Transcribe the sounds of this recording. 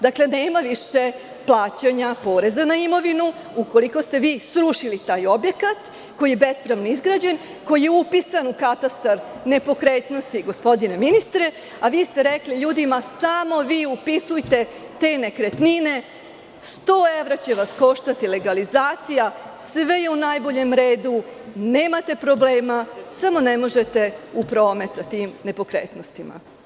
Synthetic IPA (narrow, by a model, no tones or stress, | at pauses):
d̪akle̞ne̞ːmaʋiʃe̞ | plˠaːt͡ɕaɲapo̞ːɾe̞zanaimo̞ʋinu | uko̞likost̪e̞ʋiːsɾuʃilit̪aːjo̞bje̞kat̪ | ko̞jijebespɾaʋnoizɡɾad͡ʑe̞n | ko̞jje̞upisanukat̪ast̪aɾne̞po̞kɾeːt̪no̞st̪iɡo̞spo̞d̪ine̞minist̪ɾe̞ | aʋiːst̪e̞ɾekliʎuːd̪imasamo̞ʋiːupisujt̪e̞ | t̪e̞ːne̞kɾe̞t̪nine̞ | st̪o̞ːe̞ʋɾat͡ɕe̞ʋasko̞ʃt̪at̪ile̞ɡalizaːt̪sija | sʋe̞jeunajbo̞ʎe̞mɾe̞ːd̪une̞ːmat̪e̞pɾo̞ble̞ːmasamo̞ne̞mo̞ʒe̞t̪e̞upɾo̞ːme̞t̪sat̪iːmne̞po̞kɾḛːt̪no̞st̪ima̰